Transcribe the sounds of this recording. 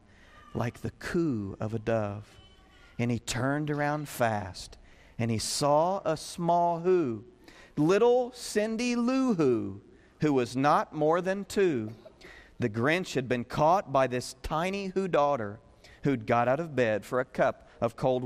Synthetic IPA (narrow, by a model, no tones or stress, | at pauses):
lʔa̰ɪk̚ðɨkʰuʌ̰vɨdʌv̥ | ɨ̃nitʰɜ̃˞ndə˞ãʊ̃nd̥fæst | ɨ̃nisɔəsmɔlˠɦu | lɪɾl̩ˠsɪ̃ndiluɦu | hʉwʌznət̚mɔɹðɨ̃ntʰʉ | ðɨɡɹɛ̃nt͡ʃhɨd̚bɨ̃nkʰɔt̚b̥aɪðɪstʰãɪ̃nihʉdɔɾə˞ | hʉd̚ɡɑɾaʊɾʌvbɛd̥fə˞ɨkʰʌpʌv̥kʰoʊlˠd̚